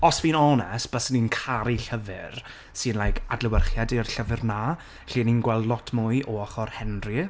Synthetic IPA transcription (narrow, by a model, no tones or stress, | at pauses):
ɔsvinɔnɛsb̥əsninkʰaɾiɬəvɨr | sɨnlˠajkʰadlɪwərχjadirɬəvɨrna | ɬiːninɡwɛlˠdlˠɔtʰmʊɨʔɔɔχɔrhɛnrɨ